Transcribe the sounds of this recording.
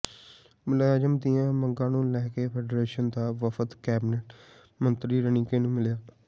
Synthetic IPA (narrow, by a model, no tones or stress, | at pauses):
mʊlaːd͡ʒəmd̪ɪjãːməŋɡãːnũːlɛːkeːpʰeːɖɾeːʃənd̪aːʋəfʰət̪kɛːbnəʈ | mənt̪ɾiːɾənĩːkeːnũːmɪljaː